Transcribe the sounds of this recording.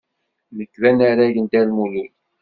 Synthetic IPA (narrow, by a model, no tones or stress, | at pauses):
nəkːvænaɾæʝənd̪ælmulul